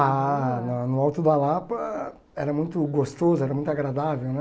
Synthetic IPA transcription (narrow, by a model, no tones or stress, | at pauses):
anɐnʊawt̪ʊd̪alap | ɛɾɐmũj̃t̪ʊɡost̪ozʊɛɾɐmũt̪aɡɾad̪avewnɛ